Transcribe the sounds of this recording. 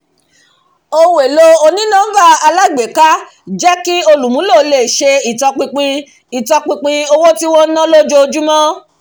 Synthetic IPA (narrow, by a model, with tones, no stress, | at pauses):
o˧we˨lo˧o˧nĩ˦nã˦ba˦˨a˧la˦˨ɡ͡be˨ka˦ | d͡ʒɛ˦ki˦o˧lũ˨mũ˨˦lo˦˨˦le˨ʃe˧i˨tɔ˧k͡pĩ˧k͡pĩ˧ | i˨tɔ˧k͡pĩ˧k͡pĩ˧o˧wo˦ti˦wɔ̃˦nã˦lo˦d͡ʒo˧d͡ʒu˦mɔ̃˦